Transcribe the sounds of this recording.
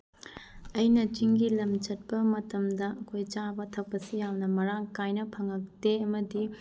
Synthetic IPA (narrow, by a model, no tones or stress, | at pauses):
ɐjnɐt͡ʃiŋɡilɐmt͡ʃɐt̚pɐmɐtɐmdɐʔɐkʰojt͡ʃabɐtʰɐk̚pɐsijawnɐmɐɾaŋkajnɐpʰɐŋɐk̚teɐmɐdi